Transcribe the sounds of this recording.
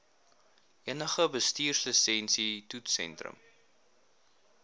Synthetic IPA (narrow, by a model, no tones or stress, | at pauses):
ʔiənəχəbəstiːrsləsɛnsitutsɛ̰ntrə̰m